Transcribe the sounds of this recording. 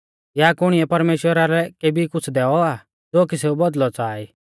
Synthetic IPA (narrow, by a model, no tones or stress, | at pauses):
jakʊɽ̃ɪjɛpɐɾmeːʃwəɾaɾɛkeːbikʊt͡sʰd̪ɛːɔa | d͡zoːkiseubɔd̪lɔt͡saːi